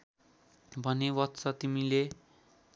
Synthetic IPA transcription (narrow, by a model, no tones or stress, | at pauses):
bʱʌnewʌt̪t͡sʌt̪imile